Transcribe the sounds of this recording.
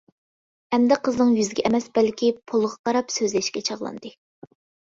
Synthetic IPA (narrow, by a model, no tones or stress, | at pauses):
hɛmd̪ɛqʰəznɨŋjyzɪɡʲɛʔɛmɛsbɛlkʲipʰolˠʁɑqɑɾɑpsøzlɪʃkʲɛt͡ʃʰɑʁlˠɑ̰nd̪ɨ